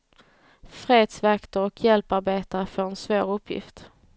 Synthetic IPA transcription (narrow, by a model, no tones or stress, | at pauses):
fɾeːd̪svakt̪əɾɔkʰjɛlpaɾbeːt̪aɾəfɔɾɛnsvoːɾɵpʰːjɪ̰ft̪